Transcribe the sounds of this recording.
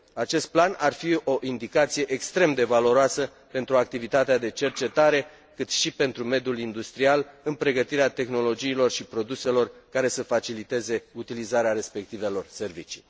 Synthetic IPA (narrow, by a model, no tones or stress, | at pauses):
at͡ʃe̞st̪̚planarfio̞ʔind̪ikat̪sije̞ʔekst̪ɾe̞md̪e̞valo̞ɾoasə | pe̞nt̪ɾuak̚t̪ivit̪at̪ead̪e̞t͡ʃe̞rt͡ʃe̞t̪aɾe̞ | kɨt̪ʃipe̞nt̪ɾume̞d̪iulind̪ust̪ɾialɨnpɾe̞ɡət̪iɾeat̪e̞xno̞lo̞d͡ʒiːlo̞rʃipɾo̞d̪use̞lo̞rkaɾe̞səfat͡ʃilit̪e̞ze̞ut̪ilizaɾeaɾe̞spe̞k̚t̪ive̞lo̞rse̞rvit͡ʃi̥̰